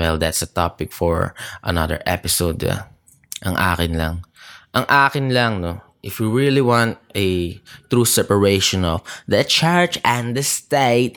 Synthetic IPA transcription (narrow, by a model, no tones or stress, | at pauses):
wɛld̪at̪sɐt̪apɪk̚fɔɹʔɐ̰nɐ̰d̪ə̰ɹʔɛ̰pɪsod̪a̰ | ʔɐŋʔa̰ːkɪnlɐŋʔɐŋʔaːkɪnlɐŋno | ʔɪfjuɹiliwãnt̪̚ʔɛt̪ɹusɛpəɹejʃɔ̃nɔfd̪ɐt͡ʃɛɹt͡ʃɛ̃nd̪ɐst̪eɪt̪̚